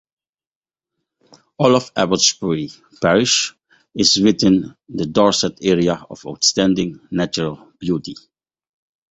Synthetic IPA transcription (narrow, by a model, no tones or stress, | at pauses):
ɔlɔfæ̰bəsbəɹi | pɛɹɪʃ | ɪzwɪθɪ̃nd̪ədɔɹsɛtɛɹiaɔ̰va̰ʊtstæ̃ndɪ̃ŋnæt͡ʃəɹəlˠ | b̥juti